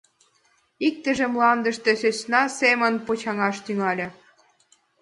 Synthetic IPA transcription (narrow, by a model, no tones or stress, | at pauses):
ik̚t̪ə̆ʒĕmlɑnd̪ə̆ʃt̪ĕsøsnɑsemə̆npot͡ɕɑŋɑʃt̪yŋɑlʲɤ̆